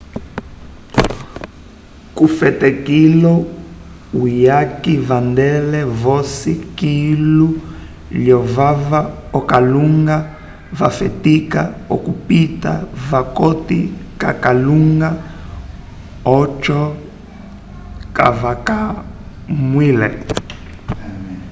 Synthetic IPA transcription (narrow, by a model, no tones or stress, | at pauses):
kufɛtɛkilɔ | ujakivandɛlɛvɔsikilu | ljɔvava | ɔkaluŋɡa | va̰fɛ̰tikaɔ̰kupita̰vakɔtḭka̰kaluŋɡa | ɔt͡ʃɔ | ka̰vaka | mwilɛ̰